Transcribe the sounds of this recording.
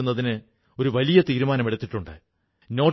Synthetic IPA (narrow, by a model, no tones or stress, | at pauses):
unːɐðinɨ | o̞ɾuʋɐlijɐt̪iːɾumaːnɐmiɽɐt̪ːiʈːuɳɖɨ | no̞ː